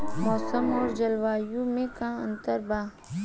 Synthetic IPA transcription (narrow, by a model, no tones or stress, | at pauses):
mɔːsəmɔːɾd͡ʒɐlʋaːjũmẽkãə̃nt̪əɾbaː